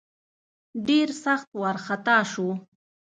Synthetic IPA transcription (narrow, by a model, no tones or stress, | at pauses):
ɖɪɾsɑχt̪wɑɾχɑt̪aːʃʊ